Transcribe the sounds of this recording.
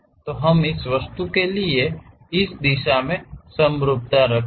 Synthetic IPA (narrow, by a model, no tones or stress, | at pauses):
t̪oɦɐmɪsʋəst̪ukelie | ɪsd̪ɪʃamẽsə̃mɾʊb̚t̪aɾəkʰ